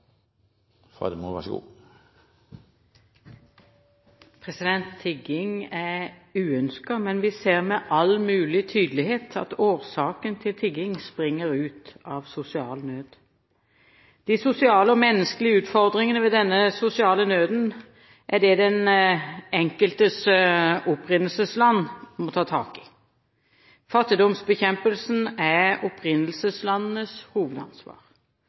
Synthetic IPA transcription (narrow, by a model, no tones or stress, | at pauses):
fɑ̰d̪əmːʋæʂəɡṵː | pʰʁɛsɪd̪ɛnt̪ʰːɪɡɪŋæʁʉːœnskɑmɛnʋɪseːʁmɛʔɑlmʉːlɪt̪ʰyːd̪lɪheːt̪ʰɑ̰t̪oːʁsɑːkənt̪ʰɪlt̪ʰɪɡɪŋspʁɪŋːəʁʉːt̪ɑːʋsʊsɪɑːlnøːd̪̥ | d̪̥ɪsʊsɪɑːləɔmɛnːəskəlɪəʉːt̪fɔʁd̪ʁɪŋənəʋɛd̪ɛnːəsʊsɪɑːlənøːd̪n̩ | ʔæɖɛd̪ɛn | ɛŋkəlt̪əsʊpʁɪnəlsəslɑnːmɔt̪ʰɑːt̪ʰɑ̰ːkɪ̥ | fɑt̪ːɪd̪ɔmsbəçɛmpəlsn̩æɔpʰʁɪnːəlsəslɑnnəshuːʋəd̪ɑ̰nsʋɑ̰ːʁ